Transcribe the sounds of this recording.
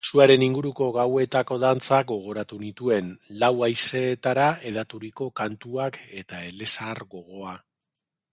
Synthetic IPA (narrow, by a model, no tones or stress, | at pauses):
suaɾe̞niŋɡuɾuko̞ɣawe̞t̪ako̞ðant͡saɡo̞ɣ̞o̞ɾat̪unit̪ue̞nlawajse̞ːt̪aɾae̞ð̞at̪uɾiko̞kant̪uake̞t̪ae̞le̞saɾɣo̞ɣo̞a